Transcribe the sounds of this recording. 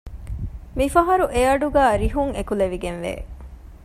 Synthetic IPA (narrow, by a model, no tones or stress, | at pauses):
mifɐɦɐɾuʔejɐɖuɡæːɾiɦuŋekuleʋiɡenʋḛː